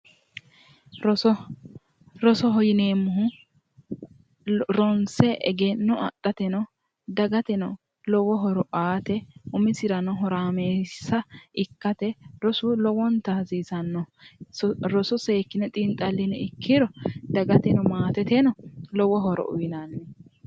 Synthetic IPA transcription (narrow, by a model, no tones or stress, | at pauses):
ɾɔsɔ | ɾɔsɔɦɔjɪneːmːʊɦʊ | ɾɔnsɛʔɛ̰ɡɛnɔʔɐ̰t̪ʼːɐt̪ɛnɔ | d̪ɐɡɐt̪ɛnɔ | lɔwɔɦɔɾɔʔaːt̪ɛʊmɪsɪɾɐnɔɦɔɾaːmeːsɐʔɪkːɐt̪ɛɾɔsʊlɔwɔnt̪ɐziːsɐnːɔɔɾɔsɔseːkːɪnɛt̪ʼɪnt̪ʼɐlːɪnɛɪkʰːɪɾɔd̪ɐɡɐt̪ɛnɔmaːt̪ɛt̪ɛnɔlɔwɔɦɔɾɔ̰ʔʊ̰jɪnanːɛ